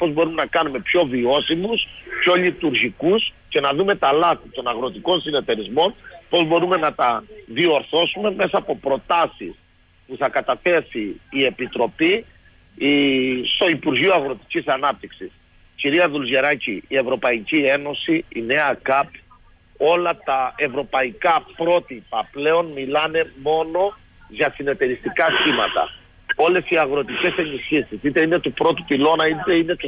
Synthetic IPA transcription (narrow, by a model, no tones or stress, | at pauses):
po̞zbo̞ɾume̞nɐkɐnume̞pço̞vio̞simuspço̞ʎit̪uɾʝikusce̞nɐðume̞t̪ɐlɐθit̪o̞nɐɣɾo̞t̪iko̞nsine̞t̪e̞ɾizmo̞npo̞zbo̞ɾume̞nɐt̪ɐðio̞ɾθo̞sume̞me̞sɐːpo̞pɾo̞t̪ɐsis | puθɐkɐt̪ɐθe̞siːe̞pit̪ɾo̞pi | st̪o̞ipuɾʝioɐɣɾo̞t̪i̥cisɐnɐp̚t̪iksis | ciɾiɐðulzeɾɐciːe̞vɾo̞pɐicie̞no̞siḭne̞ɐkɐp | o̞lɐt̪ɐe̞vɾo̞pɐikɐpɾo̞t̪ipɐple̞o̞nmilɐne̞mo̞no̞ | ʝɐsine̞t̪e̞ɾist̪ikɐsçimɐt̪ɐ̰ | o̞le̞siɐɣɾo̞t̪ice̞se̞nisçisisit̪e̞ine̞t̪upɾo̞t̪upilo̞nɐit̪eine̞t̪u